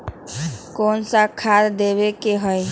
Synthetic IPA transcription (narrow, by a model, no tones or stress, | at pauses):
konsakʰaɾd̪eβekeɦəj